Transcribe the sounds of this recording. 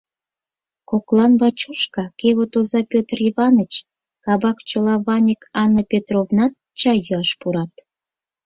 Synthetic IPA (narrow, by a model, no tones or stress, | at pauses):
koklɑnβɑt͡ɕuʃkɑkeβot̪ozɑpʲøt̪riβɑnət͡ɕ | kɑbɑkt͡ɕolɑβɑnʲikɑnːəpʲet̪rovnɑt̪̚ | t͡ɕɑjyɑʃpuɾɑt̪